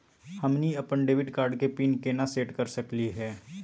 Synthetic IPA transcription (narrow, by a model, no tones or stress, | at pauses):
hɐmniɐpənɖeːʋɪɖkaːɾɖkepiːnkeːnaseːʈkɐɾsɐkliɦɛː